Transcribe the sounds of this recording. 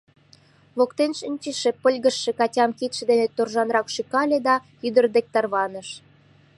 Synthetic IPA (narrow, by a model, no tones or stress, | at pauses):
βokt̪enʃənʲt͡ɕəʃepəlʲɣə̆ʃːĕkɑtʲɑmkit̪ʃĕd̪enet̪orʒɑnrɑkʃikɑlʲed̪ɑ | yd̪ərd̪ek̚t̪ɑrβɑnə̆ʃ